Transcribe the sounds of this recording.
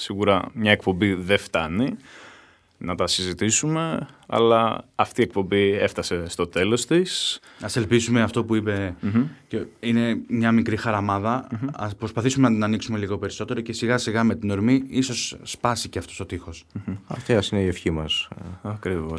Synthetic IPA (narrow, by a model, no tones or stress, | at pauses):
siɣuɾɐmɲɐekpo̞mbiðeft̪ɐni | nɐt̪ɐsizit̪isume̞ɐ̰lɐɐft̪ie̞k̚po̞bie̞ft̪ɐse̞st̪o̞t̪e̞lo̞st̪is | ɐse̞lpisume̞ɐft̪o̞puipe̞ceine̞mɲɐmikɾixɐɾɐmɐðɐɐspɾo̞spɐθisume̞nɐt̪inɐniksume̞liɣo̞pe̞ɾiso̞t̪e̞ɾo̞ce̞siɣɐsiɣɐme̞t̪ino̞ɾmiiso̞sːpɐsiceɐft̪o̞st̪ot̪ixo̞sɐft̪eɐsineiefçimɐsɐkɾivos